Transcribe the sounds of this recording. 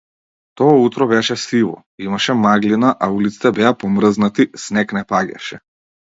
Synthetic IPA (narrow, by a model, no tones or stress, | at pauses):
t̪ɔaut̪ɾɔbɛʃɛsivɔ̰ | imaʃɛmaɡlinaʔaulit̪si̥t̪ɛbɛapɔmrznat̪isnɛknɛpaɟa̰ʃɛ